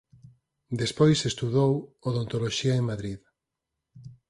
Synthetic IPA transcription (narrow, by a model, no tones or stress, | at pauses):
d̪espojsest̪uðowoðont̪oloʃiɐeŋmaðɾið